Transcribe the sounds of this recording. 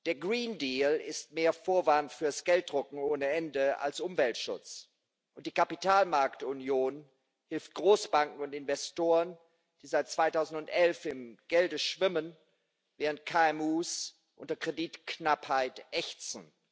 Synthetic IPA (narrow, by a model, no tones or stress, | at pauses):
d̥eːɐɡʁiːndiːlɪstmeːɐfoːɐvantfyːɐasɡ̥ɛlt̚d̥ʁʊkŋ̩oːnəɛndəa̰lsʔʊmvɛltʃʊ̰t͡s | ʔʊnt̚d̥iːkapitaːlmaɐktʊnjoːn | hɪlft̚ɡ̥ʁoːsb̥aŋkŋ̩ʊntɪnvɛstoːʁən | d̥iːzaɪt̚t͡sv̥aɪtaʊzn̩tʊntʔɛlfɪmɡ̥ɛldəʃv̥ɪmən | veːʁ̞əntkʰaɛmuːs | ʔʊ̰ntɐkʁ̥ediːtknaphaɪtʔɛçt͡sn̩